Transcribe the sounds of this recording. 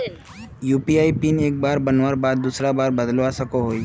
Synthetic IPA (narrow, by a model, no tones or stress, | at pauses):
juːpiaːipineːk̚baːɾbənʋaːɾbaːd̪̚ːuːsɾabaːɾbəd̪lʋasəkoɦoːi